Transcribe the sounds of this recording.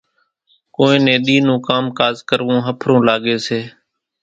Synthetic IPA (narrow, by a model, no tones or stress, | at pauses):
koːẽːnẽːɗ̪iːnũːkaːmkaːzkəɾʋõːɦəpʰɾõːlaːɠeːseː